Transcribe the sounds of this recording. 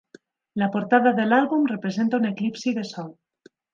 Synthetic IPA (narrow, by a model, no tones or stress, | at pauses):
lapoɾt̪aðaðelalβumrepɾezent̪auneklipsiðesɔl